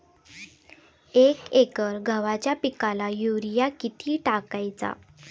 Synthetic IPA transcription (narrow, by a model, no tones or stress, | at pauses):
ekekəɾɡʱəʋat͡ɕjapikalajuɾijakit̪ʰiːʈakajt͡sa̰